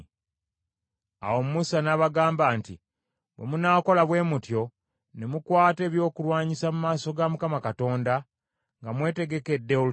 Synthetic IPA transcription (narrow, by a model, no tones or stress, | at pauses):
a̰wo̞mumusanaβaɡaːmbaːnti | bwḛmunaːko̞laβwe̞ːmutjo̞ | nemukwaːte̞ːβjo̞ːkulwaːɲisamumaːso̞ɡamukamakato̞ːnda | ŋɡamwe̞ːte̞ɡe̞ke̞dːe